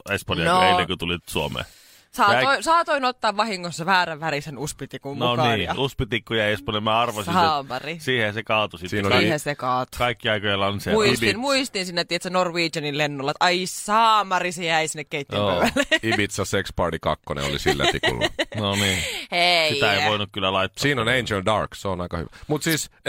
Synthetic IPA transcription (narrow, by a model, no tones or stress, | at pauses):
espɑniɑoeinikut̪ulit̪suomḛː | sɑːoisɑːt̪oinot̪ːɑːʋʋɑhiŋːonsːɑʋæːræʋʋærisenuspit̪ikumnoɑniːɑuspit̪ikːujæiespɑniɑmæɑrʋosiɑeːmɑrisiːhehsekɑːt̪usit̪inoiːesekɑːt̪u̥kɑikːiɑikojɑlːɑnsemuitinmuist̪insinːet̪iet̪sænorʋiːt͡ʃɑnillenːolːɑt̪ʔɑissɑːmɑrisejæisinːekkeit̪ːiompøʋælːeibit̪sɑsekspɑrdikɑ̰kːonḛo̰lḭsilːæ̰ḭkṵlːnoniːesit̪æeiʋoinukkylːælɑit̪ːsiːnoneinsion̚dɑ̰rkseonɑikɑhy̰ʋæmut̪siːs